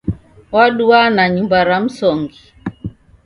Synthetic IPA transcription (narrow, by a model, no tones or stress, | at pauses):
waɗuanaɲumbaɾam̩sɔŋɡi